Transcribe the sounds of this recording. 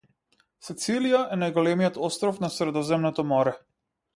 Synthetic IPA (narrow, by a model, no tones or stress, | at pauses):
sɛt̪silijaʔɛnajɡɔlɛmijɔt̪ɔst̪ɾɔfnasɾɛd̪ɔzɛmnɔt̪ɔmɔɾɛ